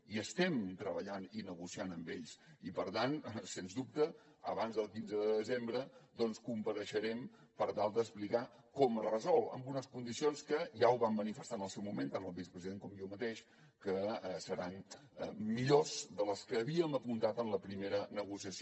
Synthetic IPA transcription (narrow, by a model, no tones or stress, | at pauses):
iəst̪ɛmt̪ɾəβəʎaninəɣusianəmbḛʎsipəɾt̪ansenzd̪up̚t̪ə | ə̰βanzðəlˠkinzəðəəðəzembɾəd̪ɔnskumpəɾəʃəɾɛm | pəɾt̪alˠd̪əsplika | kɔmərəzɔlˠə̰mbunəskund̪isionskəʒauwβamːənifəst̪anəlˠsɛwmumẽnt̪anəlˠβisə̥pɾəziðeŋkɔmjomət̪eʃ | kəəsəɾanə̰miʎozðələskəːβiəməpunt̪at̪ənləpɾimeɾənəɣusiəs